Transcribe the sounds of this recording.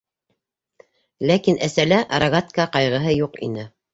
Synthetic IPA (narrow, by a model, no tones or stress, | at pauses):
lækinʔæsælæʔɑɾaɣat̪kɑqɑjʁɤ̆ɦɤjuqḭnɘ